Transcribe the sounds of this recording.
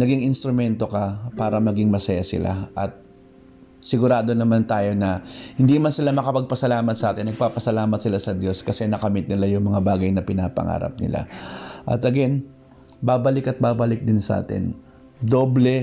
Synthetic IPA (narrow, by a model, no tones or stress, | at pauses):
nɐɡiŋɪnst̪ɾʊmɛnt̪o̞kɐpaːɾɐmɐɡɪŋmɐsɐjasɪ̰la̰ʔɐt̪̚ | sɪɡʊɾaːd̪o̞nɐmant̪aːjo̞nɐhɪnd̪iːmansɪlamɐkɐpɐɡ̚pɐsɐlaːmɐt̪sɐʔaːt̪ɪnːɐɡ̚paːpɐsɐlaːmɐt̪̚sɪlasɐd̪jo̞skɐsɛnɐkɐmɪt̪̚nɪlajʊŋmɐŋabaːɡɐjnɐpɪnaːpɐ̰ŋa̰ːɾɐ̰p̚nɪ̰la̰ʔɐ̰t̪ɐɡɛn | baːbɐlɪkɐt̪̚baːbɐlɪk̚d̪ɪnsɐʔa̰ːt̪ɪ̰n | d̪o̞ːblɛ